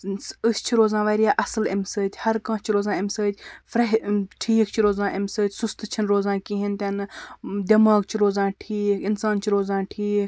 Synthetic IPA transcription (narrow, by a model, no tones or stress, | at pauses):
ɨst͡ʃʰiɾoːzãːʋɐːɾijaːʔɐsɨlḛmsəːt̪ʲʰhɐɾkãːt͡ʃʰiɾoːzãːemsəːt̪ʲfɾɐɦʈʰiːk̚t͡ʃʰiɾoːzãːʔemsəːt̪ʰʲsust̪ʰt͡ʃʰinɾoːzãːkiɦint̪ʲɐnɨd̪ʲɐmaːɡ̚t͡ʃʰiɾoːzãːʈʰiːkɪnsaːnt͡ʃʰiɾoːzãːʈʰiːk